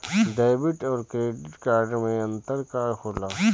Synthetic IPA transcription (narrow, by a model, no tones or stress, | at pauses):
d̪aːbiʈɔːɾkɾeːɖiʈkaːɾɖmẽɐnt̪əɾkaːɾxolaː